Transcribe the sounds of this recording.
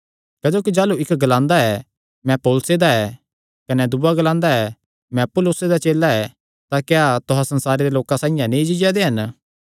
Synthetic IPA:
kɛːd͡ʒoːkid͡ʒaːluɪkɡɐlãːnd̪aɛ | mɛ̃poːlsed̪aɛ | kɐnɛd̪uaɡɐlãːnd̪aɛ | mɛ̃pʊlʊsed̪at͡ʃeːlːaɛ | t̪akeat̪ʊɦãsɐnsaːɾed̪eloːkãsãːɪ̃jãnẽĩd͡ʒɪd͡ʒad̪eɦɐn

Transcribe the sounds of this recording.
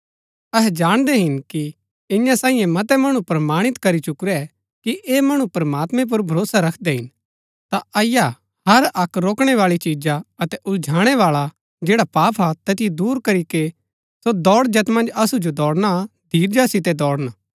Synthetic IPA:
ɐɦɛd͡ʒaːɽ̃d̪ɛɦɪnki | ɪ̃jãsãːĩjɛ̃mɐt̪ɛmɐɽ̃upɾɐmaːɽ̃ɪt̪kɐɾit͡ʃʊkɾɛ | kiʔeːmɐɽ̃upɾɐmaːt̪mɛ̃p̬ʊɾbʱɐɾoːsaɾɐkʰd̪ɛɦɪn | t̪aɐɪja | hɐɾɐkɾoːkɽ̃ɛʋaːɭit͡ʃiːd͡ʒaɐt̪ɛʔʊld͡ʒʱaːɽ̃ɛʋaːɭa | d͡ʒɛːɽapaːpʰat̪ɛːt̪ijed̪uːɾkɐɾike | sod̪ɔːɽd͡ʒɐt̪mɐ̃nd͡ʒɐsud͡ʒod̪ɔːɽnad̪ʱiːɾd͡ʒasɪt̪̬ɛd̪ɔːɽna

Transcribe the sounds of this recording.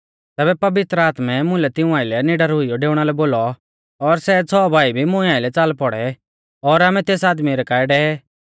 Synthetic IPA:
t̪ɛːbɛpɐʋɪt̪ɾəaːt̪mɛmʊ̃lɛt̪ɪ̃ũãːɪlɛnɪɖəɾɦʊijɔɖeːʊɽ̃alɛboːlɔ | ɔɾsɛt͡sʰɔːbʱaːibʱimʊ̃ɛaːɪlɛt͡saːlpɔɽɛ | ɔːɾaːmɛt̪eːsaːd̪miɾɛkaːɛɖɛːɛ

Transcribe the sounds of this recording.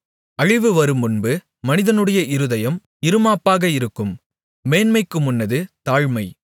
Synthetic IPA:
ɐɻɪʋɯʋɐɾɯmʊnbɯ | mɐnɪðɐnɯɽɐjɐʔɪɾɯðɐjɐm | ɪɾɯmaːpːaːɣɐɪɾɯkːɯmː | eːnmɐɪkːɯmʊnːɐðɯt̪aːɻmɐɪ

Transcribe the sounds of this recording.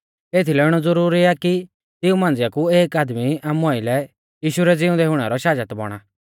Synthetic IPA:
eːt̪ʰilɛɪɽ̃ɔd͡zʊɾuːɾiaki | t̪ɪũmãːnd͡zɪjakueːkaːd̪miamɔːilɛ | jiːʃuɾɛd͡zɪʊ̃nd̪ɛɦʊɽ̃ɛɾɔʃaːd͡ʒət̪bɔ̰ɽ̃a

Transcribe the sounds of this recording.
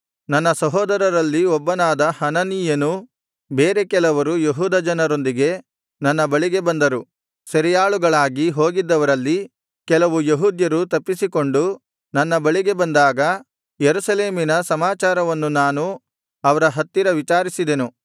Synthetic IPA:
nɐnːɐsɐɦɔːd̪ɐɾɐɾɐlːiɔbːɐnaːd̪ɐhɐnɐnijɐnu | beːɾe̞kɛlɐʋɐɾujeɦuːd̪ɐd͡ʒɐnɐɾo̞nd̪iɡe̞ | nɐnːɐbɐɭiɡe̞bɐnd̪ɐɾu | sɐɾɛjaːɭuɡɐɭaːɡiɦo̞ːɡid̪ːɐʋɐɾɐlːi | kɛlɐʋujeɦuːd̪jɐɾut̪ɐpːisiko̞ɳɖu | nɐnːɐbɐɭiɡe̞bɐnd̪aːɡɐ | jeɾusɐle̞ːminɐsɐmaːt͡ʃaːɾɐʋɐnːunaːnu | ɐʋɐɾɐɦɐt̪ːiɾɐʋit͡ʃaːɾisid̪e̞nu

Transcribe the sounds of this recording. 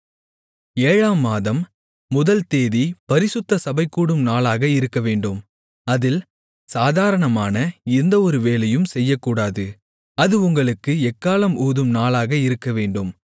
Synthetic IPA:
eːɻaːmːaːðɐmː | ʊðɐlt̪eːðipɐɾɪsʊt̪ːɐsɐbɐɪkːuːɽɯmnaːlaːɣɐɪɾɯkːɐʋeːɳɖɯm | ɐðɪl | saːðaːɾɐɳɐmaːnɐɛnd̪ɐɔɾɯʋeːlɐjɯmsɛjːɐkːuːɽaːðɯ | ɐðɯʊŋɡɐɭɯkːɯɛkːaːlɐmuːðɯmnaːlaːɣɐɪɾɯkːɐʋeːɳɖɯm

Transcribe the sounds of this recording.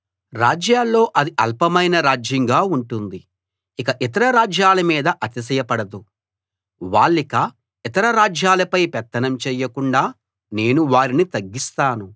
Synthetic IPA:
ɾaːd͡ʒjaːlːo̞ːʔɐd̪iʔɐlpɐmɐjnɐɾaːd͡ʒjɐŋɡaːuɳʈund̪i | ikɐʔit̪ɐɾɐɾaːd͡ʒjaːlɐmiːd̪ɐʔɐt̪is̬ɐjɐpɐɽɐd̪u | ʋaːɭːikɐ | it̪ɐɾɐɾaːd͡ʒjaːlɐpɐjpɛt̪ːɐnɐmt͡ʃɛːjɐkuɳɖaː | ne̞ːnuʋaːɾinit̪ɐɡːist̪aːnu

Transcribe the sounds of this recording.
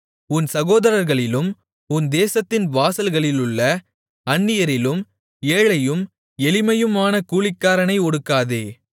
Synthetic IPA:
ʊnsɐɣoːðɐɾɐɾɣɐɭɪlɯm | ʊnd̪eːsɐt̪ːɪnʋaːsɐlɣɐɭɪlɯɭːɐ | ɐɳːɪjɐɾɪlɯm | eːɭɐjɯm | ɛlɪmɐjɯmaːnɐkuːɭɪkːaːɾɐnɐɪɔɽɯkːaːðeː

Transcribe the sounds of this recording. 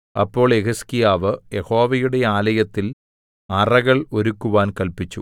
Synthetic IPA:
ɐ̰pːo̞ːɭeɣɐskijaːʋɨjeho̞ːʋɐjuɽe̞aːlɐjɐt̪ːil | ɐrɐɣɐɭo̞ɾukːuʋaːnkɐlpit͡ɕːu

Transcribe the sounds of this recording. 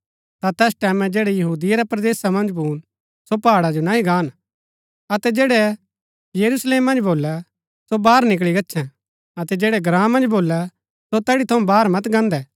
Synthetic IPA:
t̪at̪ɛːsʈɛːmɛ̃d͡ʒeːɽɛjɐɦuːd̪ijaɾɛpɾɐd̪eːsamɐ̃nd͡ʒbuːn | sopaːɽad͡ʒonaɦĩɡaːn | ɐt̪ɛd͡ʒeːɽɛ | jɐɾusleːmːɐ̃nd͡ʒboːlːɛ | sobaːɾnɪk̬ɭiɡɐtːʃʰɛ̃ | ɐt̪ɛd͡ʒeːɽɛɡɾãːmɐ̃nd͡ʒboːlɛ | sot̪ɛːɽit̪ʰɐũbaːɾmɐt̪ɡɐ̃nd̪ɛː

